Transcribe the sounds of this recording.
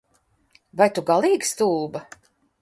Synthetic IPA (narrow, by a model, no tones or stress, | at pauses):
vajt̪uɡalˠiːɡst̪uːba